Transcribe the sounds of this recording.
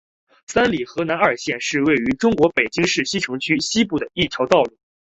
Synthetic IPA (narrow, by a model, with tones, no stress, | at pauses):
sa˥nli˨˩xɤ˧˥na˧˥nə˞˨˩ɕjɛ˥˧nʂɻ̩˥˧we˥˩ɪy˧˥ʈ͡ʂʊ˥ŋkwɔ˧˥pe˨˩ɪt͡ɕi˥ŋʂɻ̩˥˩ɕi˥ʈ͡ʂʰɤ˧˥ŋt͡ɕʰy˥ɕi˥pu˥˩d̪ə˩i˥˩t͡ɕʰjɑ˧˥ʊt̪ɑ˥˧ʊlu˥˩